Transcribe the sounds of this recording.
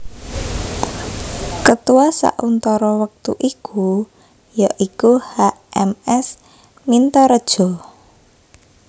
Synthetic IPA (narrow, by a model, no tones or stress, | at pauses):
kət̪uwasa̰ʔunt̪ɔɾɔwək̚t̪ṵʔikʰu | jaʔikuhaʔɛmɛs | mint̪ɔɾəd̥ʒ̥ɔ̤